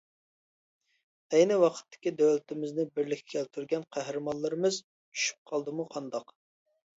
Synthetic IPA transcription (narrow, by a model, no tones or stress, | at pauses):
ɛjnɪwɑqʰə̥t̪ːɪ̥kʲid̪øwlɪt̪ɪmɪznɪbɪɾlɪkʲʰːɛ̥kʲʰɛlt̪ʰyɾɡʲɛnqʰæɦɾɨmɑnlˠɨɾɨmɨz | t͡ʃʰy̥ʃy̥p̚qʰɑlˠd̪ɨmuqʰɑnd̪ɑq